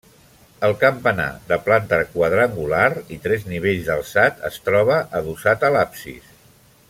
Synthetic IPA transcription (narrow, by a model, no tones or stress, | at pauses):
əlˠkəmpəna̰ðəplant̪əkwəðɾəŋɡulaɾit̪ɾɛzniβ̞eʎzðəlˠsat̪ə̰st̪ɾɔβəʔəðusat̪əlapsḭs